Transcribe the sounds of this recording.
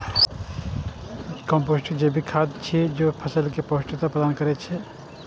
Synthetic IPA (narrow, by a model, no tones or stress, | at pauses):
kɔ̃mpoːsʈəd͡ʒebʱikʰaːd̪t͡ʃʰid͡ʒoːpʰəsəlkepoːsʈət̪apɾəd̪aːnkəɾet͡ʃʰe